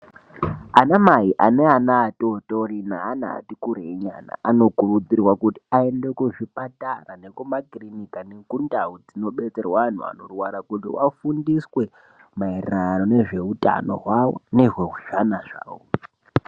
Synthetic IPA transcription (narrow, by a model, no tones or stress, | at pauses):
anamaɦiʔane̞anaːtoto̞ɾinaːna̰ːtikuɾeɲa̰na̰ʔano̞kurud͡zirwakuti̥ae̞nde̞kuʐipatarane̞kumakrinikaneŋkundaud͡zino̞ɓe̞t͡serwaan̤ṵa̰no̞rwaɾakutḭwʔa̰fundiswe̞ | maererano̞ne̞ʐe̞uta̰no̞̰ɦwawo̰ne̞ʐwe̞ɦuʒanaʐa̰ːwo